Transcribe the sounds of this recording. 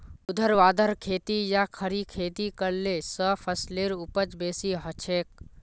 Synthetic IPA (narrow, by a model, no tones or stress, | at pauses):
ʊd̪ʱəɾʋaːd̪ʱəɾkʰeːt̪ijakʰəɾikʰeːt̪ikəɽlesəpʰəsleɾʊpət͡ʃbeːsiɦət͡ʃʰeːk̚